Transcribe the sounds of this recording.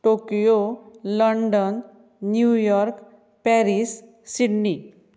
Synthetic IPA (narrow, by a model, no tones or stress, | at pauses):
ʈokijoləɳɖənː | jujɔɾk | pɛɾis | siɽni